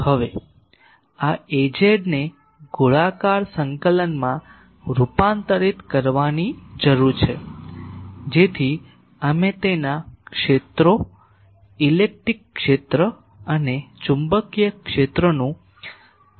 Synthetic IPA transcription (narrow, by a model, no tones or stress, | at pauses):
həʋe | aed͡ʒeɖne | ɡuɭakaɾsəŋkələnmã | ɾupant̪əɾit̪kəɾʋanid͡ʒəɾuɾt͡ʃʰe | d͡ʒet̪ʰi | əmet̪enakʃet̪ɾo | ilek̚ʈɾikːʃet̪ɾə | ənet͡ʃumbəkjəkʃet̪ɾənũ